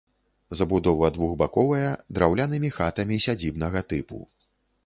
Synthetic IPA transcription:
zɐbud̪ɔvɐd̪vuɣbakɔvɐjɐd̪ɾawlʲanɨmʲixat̪ɐmʲisʲad͡zʲibnɐɣɐt̪ɨpṵ

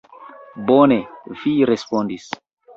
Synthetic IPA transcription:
boneviɾespondis

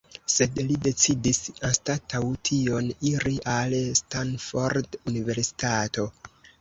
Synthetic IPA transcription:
se̞dlide̞t͡sidisanstatʰawtʰio̞niɾiʔalstanfo̞ɾdunive̞ɾsi̥tato̞

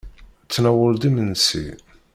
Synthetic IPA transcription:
t͡sːnæwəld̪imənsḭ

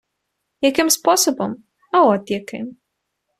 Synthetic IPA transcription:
jakɪmspɔsɔbɔm | aɔt̪ʲjakɪm

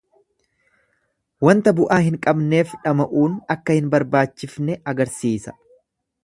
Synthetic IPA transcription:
wɐnt̪ɐbʊʔaːɦɪŋkʼɐbne̞ːfᶑɐmɐʔuːnɐkːɐhɪnbɐɾbaːt͡ʃːɪfnɛɐɡɐɾsiːsɐ̥

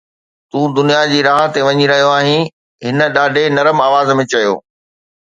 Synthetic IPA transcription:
t̪ũːd̪ʊnijad͡ʑiːɾaːɦt̪eʋɐɲiɾɐɦijoaːɦĩ | ɦɪnə̆ɗaːɖʱenɐɾəmaːʋaːzmẽt͡ɕɐjo̰ː

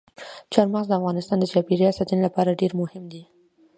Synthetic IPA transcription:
t͡ʃɑɾmaxzd̪əafɣɑnɪst̪ɑnd̪ət͡ʃɑpeɾijɑsat̪unlapɑɾaɖeɾmʊhɪmd̪i

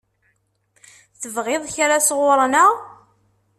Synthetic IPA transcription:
θəvʁɪðˤçaɾasʁʊɾˤnəʁ

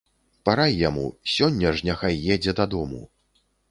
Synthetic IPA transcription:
paɾajːamṵsʲɔnʲːɐʐnʲaxajːɛd͡zʲɛd̪ɐd̪ɔmṵ

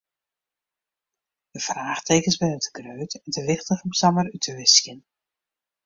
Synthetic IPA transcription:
dəfraːxtʰeːkəsbɪnətə̥ɡrøːtɛntʰəʋɪxtəɣəmsamərytʰəʋɪskjən

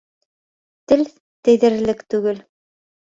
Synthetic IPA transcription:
t̪ɘl | t̪ɘ̆jðɘ̆ɾlɘkt̪ʉɡɘl

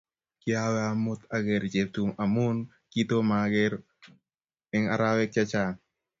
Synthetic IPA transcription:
kɪawɛamʊt̪aɡɛɾt͡ʃet̪umamun | kit̪omaɡɛɾ | ɪŋa̰ɾawɛk̚t͡ʃat͡ʃa

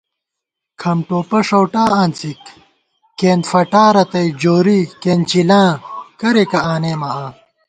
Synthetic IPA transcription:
kʰɐmʈoːpɐʂɐwʈaːaːnt͡sik | keːnt̪fɐʈaːɾɐt̪ɐjd͡ʑoːɾikeːnt͡ɕilãːkɐɾekɐaːneːmɐaː

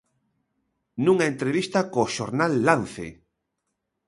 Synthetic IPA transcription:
nũŋaent̪ɾeβ̞ist̪akoʃoɾnalːanθḛ

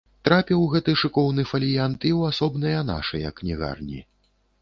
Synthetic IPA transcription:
t̪ɾapʲiwɣɛt̪ɨʂɨkɔwnɨfɐlʲijant̪iwasɔbnɨjɐn̪a̰ʂɐjɐknʲiɣa̰rnʲḭ

